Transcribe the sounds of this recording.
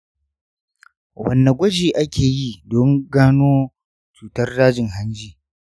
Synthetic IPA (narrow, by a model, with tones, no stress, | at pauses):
wɐ˨nːa˨ɡʷɐ˦d͡ʒiː˨ʔa˦kʲʰeː˨jiː˦˨dɔ˦ŋɡaː˦noː˦ | t͡ʃuː˨tɐ˦rɽaː˦d͡ʒɪ˨ŋɦa˦nd͡ʒiː˦